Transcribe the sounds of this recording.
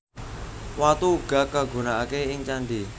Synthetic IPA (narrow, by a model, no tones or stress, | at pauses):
wat̪uːɡ̥a̤kaɡṳnaʔakeɪŋt͡ʃanɖi